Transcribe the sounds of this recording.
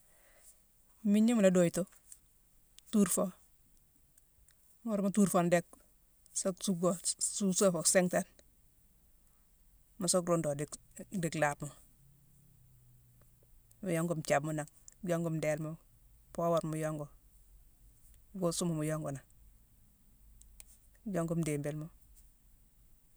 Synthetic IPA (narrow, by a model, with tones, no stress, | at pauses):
mi˦ɲi˦mula˦do˨i˨to˦ | tu˦ɾfo | mo˦ɾmo˦tu˦ɾfo˨nde˦k̚ | so˦ksu˦ɡo˨su˦so˦fo˨kse˦ŋta˦n | ma˨so˦kɾo˦ndo˨didi˨kla˨bmo˨ | mujo˦ŋɡo˨mt͡ʃa˨bmu˦na˨ŋɟo˦ŋɡo˨mde˨lmo˦ | po˦wa˨ɾmu˨jo˦ŋɡo˨ | ɡo˦su˦mo˨mu˨jo˦ŋɡo˨na˨ | ɟo˦ŋɡo˦mde˨mbe˨lmo˦